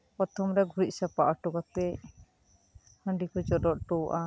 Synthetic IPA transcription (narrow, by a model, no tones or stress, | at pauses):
pɾɔt̪ʰɔmɾɛɡʱuɾit̪̚sapaʔɔʈɔɡɔt̪ɛ | həɳɖikɔd͡ʒɔdɔʔ̚ʈɔʔa